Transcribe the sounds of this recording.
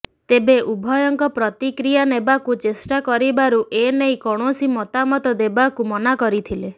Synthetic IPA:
t̪ebeʔubʱɔjɔŋkɔpɾɔt̪ikɾijanebakut͡ʃesʈakɔɾibaɾuʔenejkɔɽ̃ɔsimɔt̪amɔt̪ɔd̪ebakumɔnakɔɾit̪ʰile

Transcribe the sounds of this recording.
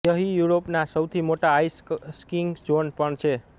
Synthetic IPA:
jʌɦijuɾopnasʌwt̪ʰimoʈaːjsskiŋd͡ʒonpʌɳt͡ʃʰe

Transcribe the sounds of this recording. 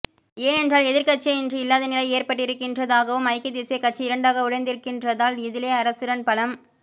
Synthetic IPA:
eːɛndraːlɛðɪɾkɐʈ̚t͡ʃeɛndrɯɪlːaːðɐnɪlɐɪeːrpɐʈːɪɾɯkːɪndrɐðaːɣɐʋɯmɐɪkːɪd̪eːsekɐʈ̚t͡ʃːiɪɾɐɳɖaːɣɐʊɽɐɪnd̪ɪɾɯkːɪndrɐðaːlɪðɪleːɐɾɐsɯɾɐnpɐlɐm

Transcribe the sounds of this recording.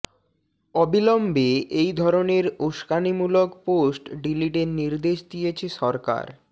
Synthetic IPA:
ɔbilombeʔejd̪ʱɔɾoneɾoʃkanimulokposʈɖiliʈeɾniɾd̪eʃd̪ijet͡ɕʰeʃɔɾka̰ɾ

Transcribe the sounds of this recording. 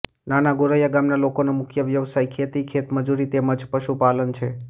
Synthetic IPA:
nanaɡoɾəjaɡamnalokonomʊkʰjəʋjəʋsajkʰet̪ikʰet̪məd͡ʒuɾit̪eməd͡ʒpəʃupalənt͡ʃʰe

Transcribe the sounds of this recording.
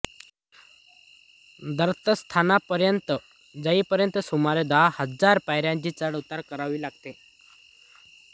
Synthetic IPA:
d̪əɾt̪əst̪ʰanapəɾjənt̪ə | d͡zəiːpəɾjənt̪əsumaɾed̪ahəd͡zaɾpajɾjãɲt͡ɕiːt͡səɽut̪ːaɾkəɾaʋiːlaɡ̚t̪e

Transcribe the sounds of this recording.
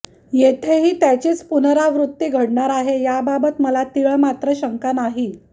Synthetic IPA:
jet̪ʰeɦiːt̪jat͡ɕiːt͡spunɾaʋɾut̪ːiːɡʱəɽɳaɾaɦejababət̪məlat̪iɭəmat̪ɾəɕəŋkanaɦiː

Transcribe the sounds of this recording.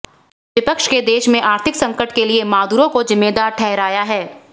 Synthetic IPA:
ʋɪpəkʃked̪eːʃmẽʔaːɾt̪ʰɪksɐ̃ŋkəʈkeliemaːd̪uːɾõkozɪmːeːd̪aːɾʈʰɛɦɾaːjaɦɛː

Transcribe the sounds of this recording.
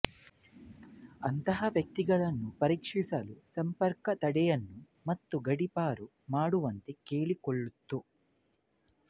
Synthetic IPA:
ɐnt̪ɐɦɐʋjɐk̚t̪iɡɐt̪ɐnːupɐɾiːkʂisɐlusɐmpɐɾkɐt̪ɐɽɛjɐnːu | mɐt̪ːuɡɐɽipaːɾu | maːɽuʋɐnt̪eke̞ːɭikoɭːut̪ːu

